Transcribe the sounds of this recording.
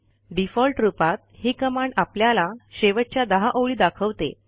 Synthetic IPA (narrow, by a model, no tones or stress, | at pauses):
ɖifɔlʈɾupat̪̚hiːkəmaɳɖapljalaɕeʋəʈ̚t͡ɕjad̪əɦaʔəwɭiːd̪akʰəʋt̪ḛ